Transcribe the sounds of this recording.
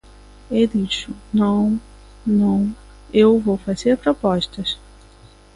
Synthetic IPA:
ed̪iʃʊnɐ̃w̃ | nɐ̃w̃ | ewvowfazeɾpɾopɔʃt̪ɐs

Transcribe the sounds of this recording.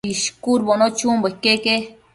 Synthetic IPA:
iʃkuɾbonot͡ʃumbəkːeke

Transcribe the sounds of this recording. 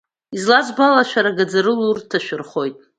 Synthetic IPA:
izlazbalaʃᶣaɾaɡad͡zaɾɨlurtʰaʃᶣɪrχo̞jtʼ

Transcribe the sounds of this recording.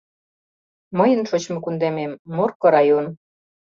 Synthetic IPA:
məjə̆nʃot͡ɕmŏkund̪ememːorkɤ̆ɾɑjon

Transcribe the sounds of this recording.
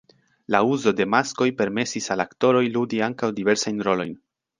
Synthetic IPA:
lauzo̞de̞masko̞jpe̞ɾme̞sisalakto̞ɾo̞jludiaŋkawdive̞ɾsajnɾo̞lo̞jn

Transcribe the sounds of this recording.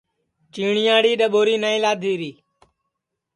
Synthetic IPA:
t͡ʃiːɳɪjãːɽiːɗəɓoːɾiːnaːĩːlaːd̪ʱiːɾiː

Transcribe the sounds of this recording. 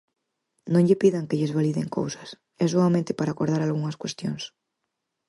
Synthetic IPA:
nõŋʎepiðaŋkeʎezβaliðḛŋko̰wsḁs | ɛsoamẽnt̪epaɾakoɾðaɾalɣuŋaskwest̪jons

